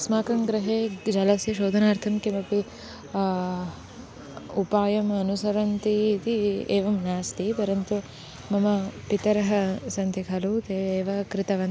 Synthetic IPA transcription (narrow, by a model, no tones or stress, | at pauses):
ɐsmaːkɐŋɡɾɐɦeːd͡ʒɐlɐsjɐʃoːd̪ʱɐnaːɾt̪ʰɐmkemɐpi | upaːjɐmɐnusɐɾɐnt̪iːt̪ieːʋɐmnaːst̪ip̪ɐɾɐnt̪u | mɐmɐpit̪ɐɾɐɦɐsɐnt̪ikʰɐluːt̪eːeːʋɐkɾɪt̪ɐʋɐn